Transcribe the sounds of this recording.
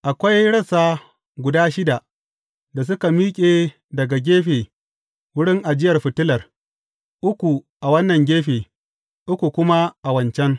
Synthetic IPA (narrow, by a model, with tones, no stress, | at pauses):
ʔa˨kʷa˦jɽɐ˦saː˦ | ɡʷʊ˨daː˦ʃɪ˦da˨ʔ | da˨s̬ʊ˦ka˨miː˦kʲʼeː˨ | dɐ˨ɡa˨ɡʲeː˦ɸeː˨ | wʊ˦ɽɪ˦ŋʔa˨d͡ʒɪ˦jɐ˨rɸɪ˨tʊ˦lɐ˨r | ʔʊ˦kʷu˨ | ʔa˨wɐ˦nːɐ˨ŋɡʲeː˦ɸeː˨ | ʔʊ˦kʷu˨kʷʊ˦ma˦ʔa˨wɐ˨nt͡ʃɛ˦ŋ